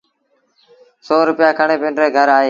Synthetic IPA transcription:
soːɾʊpjaːkʰəɳeːpẽːɳɖɾeːɡʱəɾaːɦeː

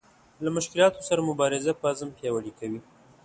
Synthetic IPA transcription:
lamʊʃkɪlɑt̪osaɾamʊbɑɾɪzapəazəmpjɑwalikawi

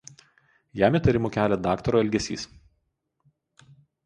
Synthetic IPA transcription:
jæːmʲɪˑt̪ɐɾʲɪmuːˑkʲæːlʲɛd̪ɑːkt̪ɔɾoːɛlʲɡʲɛsʲḭːs

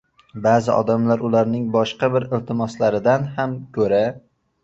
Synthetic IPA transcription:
baːzɪʔɒ̰d̪amlaɾʊlaɾnɪŋbɒʃqɑbɪɾɪlt̪ʰɪmɒslaɾɪd̪anhamkʲʰɵɾa

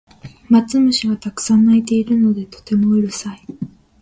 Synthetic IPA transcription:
mat͡sɨmɯ̟ɕiɡat̪akɯ̥sãnːait̪e̞iɾɯ̟no̞d̪e̞t̪o̥t̪e̞mo̞ɯɾɯ̟sai

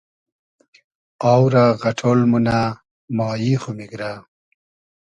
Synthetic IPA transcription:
aːwɾaɣaʈʰolmuna | mɑːjixumiɡɾa

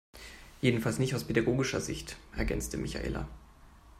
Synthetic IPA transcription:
jeːdn̩falsnɪçtaʊspʰedaɡoːɡɪʃɐ̰zɪ̰çtʔɛɐɡɛ̰nt͡stəmʔɪça̰ʔḛːlʔa̰

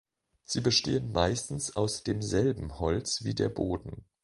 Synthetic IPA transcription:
z̥iːbəʃteːənmaɪstn̩saʊsd̥eːmzɛlbm̩hɔlt͡sv̥ḭːdḛːɐboːdn̩

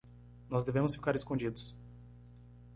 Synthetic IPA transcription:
nɔzd̪evẽmʊsfi̥kaɾeskõd͡ʒid̪ʊs

